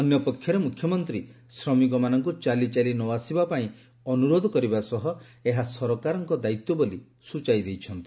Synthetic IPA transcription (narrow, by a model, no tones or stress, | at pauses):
ɔnjɔpɔkʰːjɔɾemukʰːjɔmɔnt̪ɾi | sɾɔmik̬ɔmanɔŋkut͡ʃalit͡ʃalinɔwasibapaĩ | ɔnuɾod̪ʱɔkɔɾibasɔɦɔ | eɦasɔɾɔkaɾɔŋkɔd̪ait̪ːɔboli | sut͡ʃajd̪ejt͡ʃʰɔnt̪i̥